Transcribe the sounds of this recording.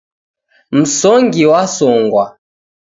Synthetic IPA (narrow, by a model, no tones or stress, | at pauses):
m̩sɔŋɡiwasɔŋɡwa